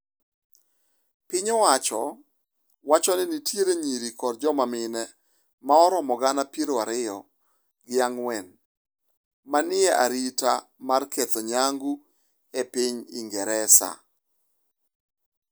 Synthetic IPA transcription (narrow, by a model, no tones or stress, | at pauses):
pɪɲɔwat͡ʃɔ | wat͡ʃɔnɪnitjeɾeɲiɾikɔrd͡ʒɔmamɪnɛ | maɔɾɔmɔɡanapiɾoaɾɪjɔ̰ | ɡɪaŋwɛn | manɪɛʔa̰ɾitamarkʰet̪oɲaŋɡu | epiɲḭŋɡɛɾɛsa̰